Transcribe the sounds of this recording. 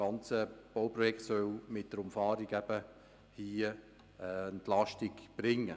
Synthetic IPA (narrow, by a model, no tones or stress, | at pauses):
ɡ̥ɑnt͡səb̥oʊprɔjɛktsœlmɪt̚d̥əɾʊmfɑːɾiɡɛb̥ə | hiː | əntlɑʃtiɡb̥ɾɪŋːə